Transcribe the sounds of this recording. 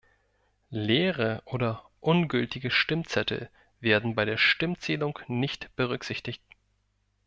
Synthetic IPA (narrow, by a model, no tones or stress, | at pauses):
leːʁəʔoːdɐ | ʔʊnɡʏltɪɡəʃtɪmt͡sɛtʰl̩ | veːɐdn̩baɪɾeːɐʃtɪmt͡seːlʊŋnɪçtb̥əʁ̞ʏkz̥ɪçtɪçt̚